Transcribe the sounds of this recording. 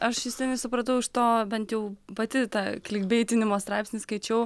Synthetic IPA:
ʔɐʃjɪst̪ʲɛnʲɪsʊpɾɐt̪̬ɐʊɪʃt̪oːbʲɛnt̪jɛʊpɐt̪ʲɪt̪ɑːklʲɪɡbʲeːt̪ʲɪnʲɪmoːst̪ɾɑɪpʲsʲnʲɪskɐɪt͡ʃʲɛʊ

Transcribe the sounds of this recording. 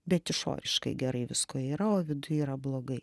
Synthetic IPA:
bʲɛt̪ɪʃo̰ːɾʲɪʃkɐɪɡʲɛɾɐɪʋʲɪskoːiːɾɐoːʋʲɪd̪ʊiːɾɐblˠoːɡɐɪ

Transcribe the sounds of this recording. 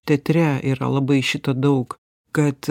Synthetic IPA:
t̪ʲɛt̪ʲɾʲɛiːɾɐ̰lˠɐbɐɪʃʲɪt̪od̪ɐʊk | kɐt̪

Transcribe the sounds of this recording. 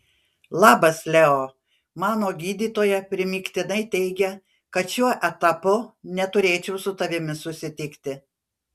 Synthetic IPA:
lˠɑːbɐslʲɛoː | mɑːnoːɡʲiːd̪ʲiːt̪oːjɛpʲɾʲɪmʲiːkt̪ʲɪnɐɪt̪ʲɛɪɡʲɛ | kɐt̪ʃʲuɔʔɛt̪ɐpʊnʲɛt̪ʊɾʲeːt͡ʃʲɛʊsʊt̪ɐʋʲɪmʲɪsʊsʲɪt̪ʲɪkt̪ʲɪ

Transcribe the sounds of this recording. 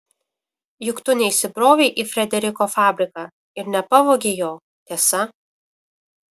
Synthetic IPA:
jʊkt̪ʊnʲɛɪsʲɪbɾoːʋʲɛɪʔiːfʲɾʲɛd̪ʲɛɾʲɪkoːfɑːbʲɾʲɪkɑː | ɪɾnʲɛpɐʋoːɡʲeːjoː | t̪ʲɛsɐ

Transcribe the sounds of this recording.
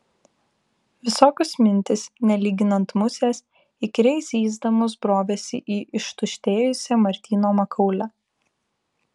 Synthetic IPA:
ʋʲɪsoːkʲʊsmʲɪnʲt̪ʲɪsnʲɛlʲiːɡʲɪnɐnt̪mʊsʲeːs | ikɾʲɛɪsʲiːzd̪ɐmʊsbɾoːʋʲeːsʲɪ̰ʔiːʔɪʃt̪ʊʃʲt̪ʲeːjʊsʲɛmɐɾʲt̪ʲiːnoːmɐkʰɐʊlʲɛ

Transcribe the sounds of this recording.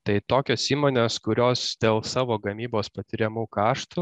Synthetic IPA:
t̪ɐɪt̪oːkʲoːsiːmoːnʲeːskʊɾʲoːsd̪̥ʲeːlˠsɑːʋoːɡɐmʲiːboːspɐt̪ʲɪɾʲɛmuːkɑːʃt̪u

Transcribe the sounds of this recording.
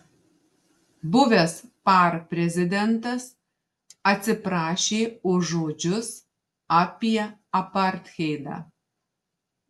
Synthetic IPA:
bʊʋʲɛspɑɾpʲɾʲɛzʲɪd̪ʲɛnt̪ɐs | ɐt̪ʲsʲɪpɾɑːʃʲeːʊːoːd͡ʒʲʊs | aːpʲiɛɐpɐɾʲt̪ʲxʲɛɪd̪ɑ̰ː

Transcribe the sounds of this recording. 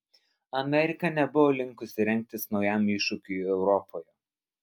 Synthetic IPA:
ɐmʲɛɾʲɪkɐnʲɛbʊʋoːlʲɪŋˑkʊsʲɪɾʲɛŋʲk̚ʲt̪ʲɪsnɒʊjæˑmɪʃʊkʲʊjɛʊɾɔpʰoːju

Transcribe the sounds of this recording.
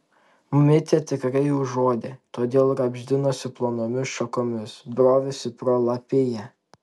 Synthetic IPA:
mʊmʲɪt̪ʲet̪ʲɪkɾɐɪjuːʒoːd̪ʲet̪oːd̪ʲeːlˠɾɐbʲʒʲd̪ʲɪnoːsʲɪplˠoːnoːmʲɪsʃɐkoːmʲɪsbɾoːʋʲɪsʲɪpɾoːlˠɐpʲɪjɛ

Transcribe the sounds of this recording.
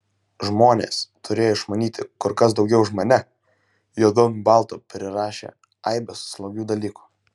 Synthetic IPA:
ʒmoːnʲḛːst̪ʊɾʲeːjoɪʃmɐnʲiːt̪ʲɪkʊɾkɐsd̪ɒʊɡʲɛʊʒmonʲɛ | juɔd̪oːmʲubɑˑlˠt̪uːpʲɾʲɪɾɑːʃʲḛː | ɐɪbʲɛsslˠɐɡʲuːd̪ɐlʲiːku̥

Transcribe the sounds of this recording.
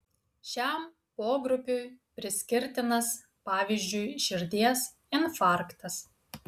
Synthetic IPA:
ʃʲæm | poːɡɾʊpʲʊjpʲɾʲɪsʲkʲɪɾʲt̪ʲɪnɐs | pɑːʋʲiːzʲd͡ʒʲʊɪʃʲɪɾʲd̪ʲiɛs | ɪnfɑˑɾkt̪ɐs

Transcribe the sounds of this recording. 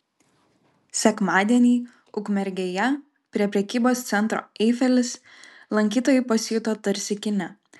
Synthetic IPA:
sʲɛkmɑːd̪ʲiɛnʲiː | ʊkmʲɛɾʲɡʲeːjɛ | pʲɾʲiɛpʲɾʲɛkʲiːboːst̪sʲɛnˑt̪ɾo̰ːɛɪfʲɛlʲɪs | lˠɐŋʲkʲiːt̪oːjɛɪpɐsʲɪjʊt̪oːt̪ɐɾʲsʲɪkʲɪnʲɛ

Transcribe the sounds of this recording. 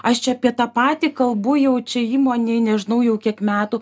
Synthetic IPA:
ɐʃt͡ʃʲɛɐpʲiɛt̪ɑːpɑːt̪ʲiːkɐlˠbʊjɛʊt͡ʃʲɛiːmoːnʲeɪnʲɛʒʲɪnɐʊjɛʊkʲiɛkmʲæːt̪uː

